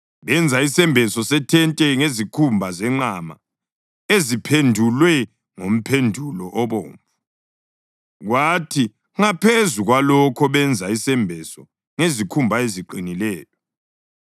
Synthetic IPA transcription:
βɛnd͡zʱaisɛmbʱɛsɔsɛtʰɛntʼɛŋezikʰumbʱazɛŋ͡ǀama̰ | ezipʰendʱulwɛ | ŋom̩pʰendʱulɔʔɔβo̰ːɱvu | ɣwatʰi | ŋapʰezuɣwalɔkʰɔβɛnd͡zʱaisɛmbʱɛsɔ | ŋezikʰumbʱaeziǃinilɛːjɔ

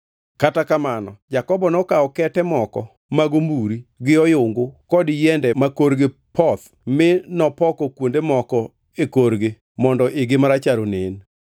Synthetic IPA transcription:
katakamanɔ̰d͡ʒakɔbɔnɔkaɔkɛtɛmɔkɔ | maɡombuɾiɡɪɔjʊŋɡokɔdjɛndɛmakoɾɡepʰɔt̪ | mɪnɔpɔkɔkwondemɔkɔ | ekoɾɡe | mɔndɔʔɪɡɪmaɾat͡ʃaɾonɪn

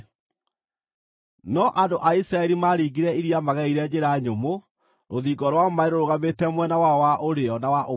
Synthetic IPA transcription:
nɔʔandoʔaisɾaɛɾimaɾiɡiɾɛiɾiamaɣɛiɾɛd͡ʑeɾaɲomo | ɾoðiːɡɔɾwamaeɾoɾoɣametɛmwɛnawaɔwaʔoɾeɔnawaʔo

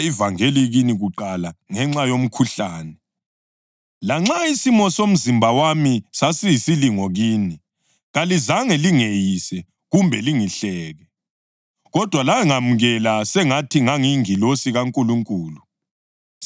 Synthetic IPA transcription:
ivaŋeliɣiniɣuǃalaŋɛŋ͡ǁajom̩kʰuɬaːnɛ | laŋ͡ǁaisimɔsom̩zimbʱawamisasijisiliŋɔɣiːni | ɣalizaŋɛliŋejisɛ | ɣumbʱɛliŋiɬɛːɣɛ | ɣɔd̥ʱwalaɛŋamuɣɛlasɛŋatʰiŋaŋiŋilosiɣaŋkʼuluŋkʼuːlu

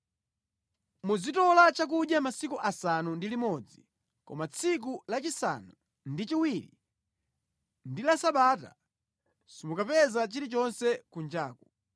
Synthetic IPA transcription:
muzitɔlat͡ʃak̬uɗjamasikuʔasanundilimɔd͡zi | kɔ̰mat͡sʰik̬ulat͡ʃisa̰nu | ndit͡ʃiwiɾḭ | ndilasaɓaːta̰ | simukapɛzat͡ʃiɾit͡ʃɔnsɛkund͡ʒaːku

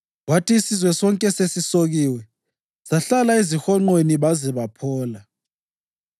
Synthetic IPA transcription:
watʰiːsizwɛsɔŋkʼɛsesisoɣiːwɛ | saɬalaizixɔŋ͡ǃweniβazɛβapʰɔːla

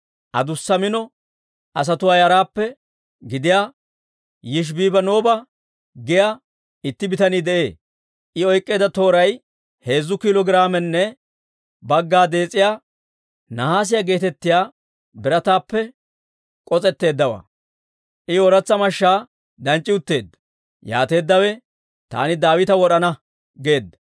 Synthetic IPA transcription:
ʔɐ̰d̪ʊsːɐmɪnɔ | ʔɐs̬ɐt̪ʊwaːjɐɾaːpːɛ | ɡɪd̪ɪjaː | jɪʃ̬biːbɐno̞ːbɐ | ɡɪjaː | ɪt̪ːɪbɪt̪ɐniːd̪ɛʔe̞ː | ʔɪɔjkʼːeːd̪ɐt̪o̞ːɾɐj | he̞ːzːʊkɪlɔɡɪɾaːmɛnːɛ | bɐɡːaːd̪e̞ːt͡sʼːɪjaː | nɐhaːs̬ɪjaɡe̞ːt̪ɛt̪ːɪjaː | bɪɾɐt̪aːpːɛ | kʼɔt͡sʼɛt̪ːe̞ːd̪ːɐwa̰ː | ʔɪɔɾɐt͡sːɐmɐʃːaː | d̪ɐnt͡ʃʼːɪʊt̪ːe̞ːd̪ːɐ̥ | ja̰ːt̪e̞ːd̪ːɐwɛ | t̪a̰ːnɪd̪aːwɪt̪ɐwɔɗɐnɐ | ɡe̞ːd̪ːɐ̥

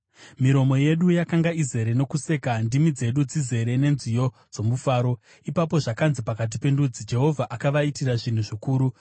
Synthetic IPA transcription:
miɾo̞mo̞je̞ɗujakaŋɡaize̞ɾe̞no̞kuse̞ːkandimid͡ze̞ɗud͡zize̞ɾe̞ne̞nzijo̞ | d͡zo̞mufaːɾo̞ | ipap̬o̞ʐakanzipakat̬ipe̞ndud͡zid͡ʒe̞ɦo̞vʱaʔakaʋaitiraʐin̤uʐikuːɾu

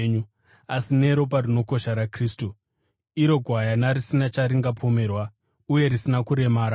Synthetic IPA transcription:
ɲu | asine̞ɾo̞p̬arino̞ko̞ʃaɾakriːstu | iɾo̞ɡʱwajanaɾisinat͡ʃaɾiŋɡapʰo̞me̞rwa | uje̞ɾisinakuɾe̞maːɾa

